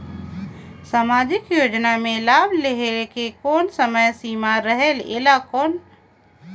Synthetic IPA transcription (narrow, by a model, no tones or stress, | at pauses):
samad͡ʒikjod͡ʒnamelabʱleɦelkekonsəməjsimaɾəɦelḛlakoːn